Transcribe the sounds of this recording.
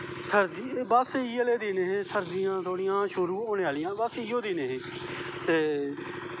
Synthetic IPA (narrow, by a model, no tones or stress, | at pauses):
səɾd̪ibəsiːəleːd̪iːneːɦẽːsəɾd̪ɪjãːt̪ʰoːɽɪjãːʃʊɾuːoːneːaːlɪjãːbəsiːoːd̪iːneːɦẽː | t̪eː